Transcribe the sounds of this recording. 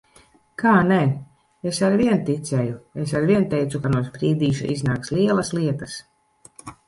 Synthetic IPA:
kaːnɛ | esaɾvʲiɛnt̪it̪sʲɛjues̬aɾviɛnt̪ɛjt̪sukanuɔspɾiːd̪iːʃṵʔiznaːkslʲiɛlˠɐsliɛt̪ɐs

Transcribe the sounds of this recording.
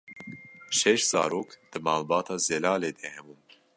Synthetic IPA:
ʃɛʃz̥ɑ̰ːɾoːkd̪̥ɨmɑːlbɑːt̪ʰɑːzɛlɑːleːd̪ɛhɛbuːm

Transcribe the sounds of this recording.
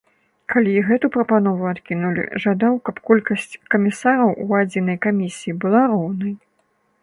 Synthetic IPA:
kʰalʲiɣɛt̪upɾɐpan̪ɔvuat̪kʲinulʲḭʐad̪awkɐpkɔlʲkɐsʲt͡sʲkɐmʲisaɾɐwʔuad͡zʲinɐjkamʲisʲijːbɨlˠaɾɔwnɐj

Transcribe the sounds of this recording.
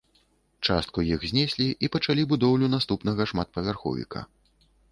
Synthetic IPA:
t͡ʂast̪̚kujixzʲnʲɛsʲlʲiʔipɐt͡ʂalʲibud̪ɔwlʲunast̪upnɐɣɐʂmat̪̚pɐvʲarxɔ̰vʲḭkɐ̰

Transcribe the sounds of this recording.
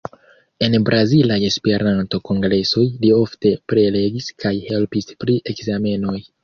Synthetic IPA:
e̞nbɾʔazilaje̞spe̞ɾʔanto̞ko̞ŋɡɾe̞so̞jlio̞fte̞pɾele̞ɡiskajhe̞lpispɾiʔe̞kzame̞no̞j

